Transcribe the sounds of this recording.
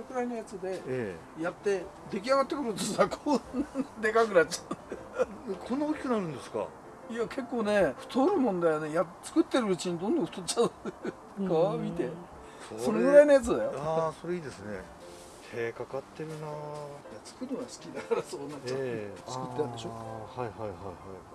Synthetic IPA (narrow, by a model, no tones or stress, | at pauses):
soɾeɡɯ̟ɾainojat͡sɨd̪e̞ | jat̪ːe̞ | d̪e̞kʲiaɡat̪ːe̞kɯɾɯt̪ɨsakʰond̪e̞kak̬ɯ̟nat͡ɕːḁt̪ːaekʰo̞nookʲi̥kɯ̟naɾɯ̟̃nd̪e̞sɨ̥ka̰ | iakʰe̞kːo̞ːne̞ɸɯ̟̥t̪ʰoɾɯ̟mõ̞nd̪ajone̞jat͡sɨ̥kɯ̟t̪ːe̞ɾɯ̟ːt͡ɕiɲ̟id̪õ̞nd̪õɸɯ̟t̪ot͡ɕːa | ɡamʲit̪e̞ | soso̞ɾeɡɯ̟ɾainojat͡sɨd̪ajoaso̞ɾeiːd̪esɨne̞̰ | eːkakat̪ːe̞ɾɯ̟najat͡sɨ̥kɯnoɡasɨ̥kʲid̪akaɾaso̞ːnaːat͡sɨ̥kɯt̪ːeãnd̪eɕohaihaihaihai